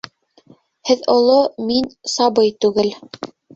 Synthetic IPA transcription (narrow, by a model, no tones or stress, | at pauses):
hɘðŏlˠominsɑbɤjt̪ʉɡɘl